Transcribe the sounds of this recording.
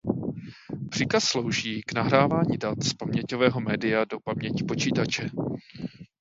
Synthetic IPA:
pr̥ɪkasːlo̞wʒiːɡnaɦɾaːvaːɲidat̪spamɲɛcovɛːɦo̞mɛːdɪjado̞pamɲɛcɪ̥po̞t͡ʃiːt̪at͡ʃɛ

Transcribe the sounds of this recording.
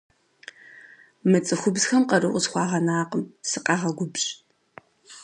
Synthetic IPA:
mɨt͡sʼɨxʷʊbzxɐmqɐrɨʔʷʊzχʷɑːʁɐnaːqəmsɨqʼɑːʁɐɡʷʊbɕʼ

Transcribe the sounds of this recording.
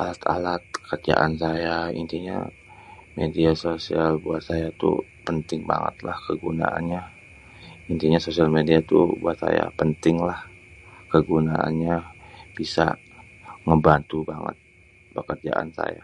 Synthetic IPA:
ʔalat̪ʰalat̪̚kərd͡ʒa̰ʔansajaḭnt̪iɲa̰ | mediasosialbuat̪̚sajat̪ṵpənt̪ɪŋba̰ŋə̰t̪lahkəɡuna̰ʔa̰nɲa | int̪iɲasosialmediat̪ubuat̪saja̰pənt̪ɪŋlah | kəɡunaa̰nɲab̥isa̰ | ŋəbant̪ubaŋə̰t̪̚ | bəkərd͡ʒa̰ʔa̰nsa̰ja

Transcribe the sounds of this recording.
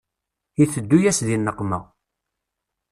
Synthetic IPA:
iθəd̪ːujæsðinːəqːməʁ

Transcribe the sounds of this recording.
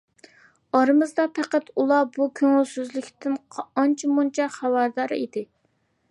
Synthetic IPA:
ɑɾɨmɨzd̪ɑpʰæqæt̪ulˠɑbukʲʰøŋylsyzlɪkʲt̪ʰɪnʰɑnt͡ʃʰimunt͡ʃʰɛχæwæɾd̪ɑɾɨ̰id̪ɪ

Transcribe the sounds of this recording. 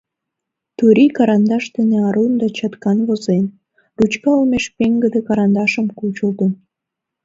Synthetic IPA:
t̪uɾikɑɾɑnd̪ɑʃd̪ənĕɑɾund̪ɑt͡ɕɑt̪kɑnβozen | rut͡ɕkɑumeʃpeŋɡə̆d̪ĕkɑɾɑnd̪ɑʃə̆mkut͡ɕult̪ən

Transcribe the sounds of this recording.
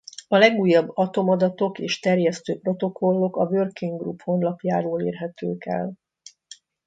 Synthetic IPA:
ɒlɛɡuːjːɒbːɒt̪o̞mɒd̪ɒt̪o̞keːʃt̪ɛrjɛst̪øːpro̞t̪o̞kʰo̞lːo̞kɒvørkiŋɡrupho̞nlɒpjaːɾoːleːrɦɛt̪øːkɛ̰l

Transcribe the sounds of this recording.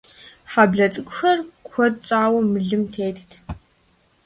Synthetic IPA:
ħabɮɐt͡sʼɨkʷʼʊxɐrkʷʰɔtt͡sʼaːwɐmɨɮɨmtʰeːtʰtʰ

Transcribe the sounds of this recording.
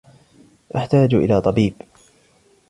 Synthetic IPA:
ʔaħt̪aːd͡ʒʔɪ̰laːt̪ˤɑbiːb

